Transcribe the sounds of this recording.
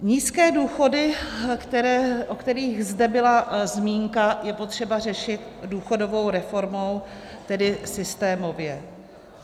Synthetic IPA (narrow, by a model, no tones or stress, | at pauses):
ɲiːskɛːduːxo̞dɪkt̪ɛɾɛʔokt̪ɛɾiːɣzdɛbɪlazmiːŋkajɛpo̞t̪r̝̥ɛbar̝ɛʃɪt̪̚duːxo̞do̞vo̞wɾɛfo̞ɾmo̞w | t̪ɛdɪsɪst̪ɛːmo̞vjɛ